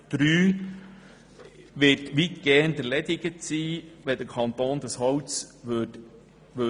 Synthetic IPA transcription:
d̪̥ɾyː | ʋɪtʋitɡ̥ɛɾndəɾlɛdɪɡətsiːʋɛd̥əkʰɑnt̪oːnd̥əshɔwt͡sʋ | ʋø

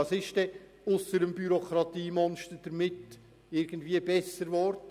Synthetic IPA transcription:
ɑsɪʃd̥ɛ | ʊsəɾəmbyɾokʰɾɑt̪iːmɔnʃtəɾd̥əɾmɪt | ɪɾɡ̥ən̩dviːəbɛsːəɾʋɔːɾdə

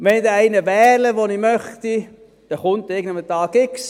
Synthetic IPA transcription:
ʋɛnid̪ɛæɪnəvɛːləʋonimœχt̪i | d̥ɛχʊnt̪ːɪɡəndəmət̪ɑːɡɪks

